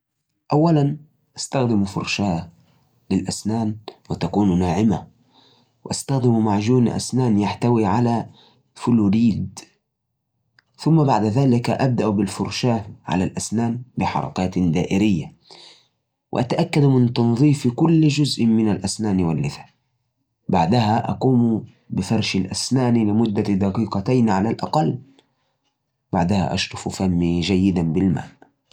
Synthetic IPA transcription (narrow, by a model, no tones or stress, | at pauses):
ʔawːalan | ʔast̪axd̪ɪmfʊ̰ɾˤʃaː | lɪlʔasnaːnwɪt̪akuːnnaːʕɪma | wɪʔast̪axd̪ɪmmaʕʒuːnʔa̰snaːnjaħt̪awiʕala | fʊluːɾiːd̪ | θʊmːabaʕd̪aðaːlɪkaʔab̚d̪aʔbɪlfʊɾˤʃaːʕa̰lalʔasnaːnbɪħɑ̰ɾˤɑ̰kaːt̪d̪aːʔɪɾɪjːa | wɪ̰ʔat̪aʔakːad̪mɪnt̪ɑnðˤiːfkʊlːd͡ʒʊzʔmɪnalʔasnaːnwalːɪθḁ | baʕd̪ahaʔɑquːm | bɪfɑɾˤʃɪlʔasnaːnilɪmʊd̪ːad̪ɑqiːqɑt̪ajnʕalalʔɑqɑlː | b̥aʕd̪aha̰ʔɑ̰ʃɾˤʊfufamːid͡ʒajːɪd̪anbɪlma̰ːl